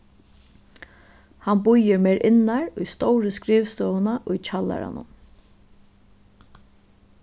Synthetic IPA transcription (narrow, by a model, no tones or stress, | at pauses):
hanbʊjɪɾmejɾʔɪnːaɹʊjst̪ɔwɾəskɾiːʋst̪œːənaʔʊjt͡ʃʰala̰ɾa̰nʊ̰n